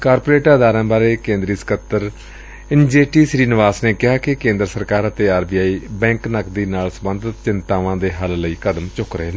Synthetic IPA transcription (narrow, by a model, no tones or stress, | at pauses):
kaːɾpoːɾeːʈaːd̪aːɾãːbaːɾeːkẽːnd̪ɾiːsə̥kət̪ːəɾ | ɪnd͡ʒeːʈiːsɾiːnɪʋaːsneːkɪɦaːkɪkẽːnd̪ɾəsəɾkaːɾət̪eːaːɾbiːaːiːbɛ̃ːŋknəkd̪iːnaːlsəbənd̪ʱət̪t͡ʃɪnt̪aːʋãːd̪eːɦəlləiːkəd̪əmt͡ʃʊkɾəɦeːn